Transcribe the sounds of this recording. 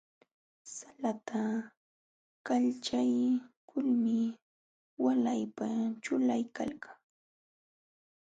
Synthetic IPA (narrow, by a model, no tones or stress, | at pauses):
salat̪ʰa | kaʎt͡ʃajkʰʊlmɪ | walajpat͡ʃʊlajka̰lkaŋ